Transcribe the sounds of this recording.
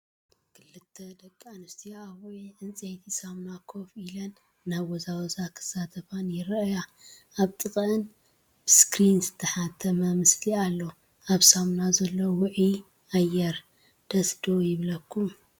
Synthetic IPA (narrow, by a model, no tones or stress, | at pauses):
kʰɨlːɨt̪ʰːɐd̪ɐkʼːanɨst̪ʰiaβʔiʕɨnt͡sʼejt̪ʰisamnakʰo̞filɐnː | aβwɔzawɔzakʰɨ̥sat̪ʰɐfanjɪɾja | aβt̪ʼɨkʼɨn | b̥ɨskɾinzɨt̪ʰɐħat̪ʰːɐmɐmɨslialːo | ʔaβsamnazɐlːowʊʕi | ajɛɾ | d̪̥ɐsd̪ojɪβlɐkʰːum